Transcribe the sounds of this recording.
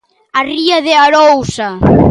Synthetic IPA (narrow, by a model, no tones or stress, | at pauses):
ariaðeaɾowsa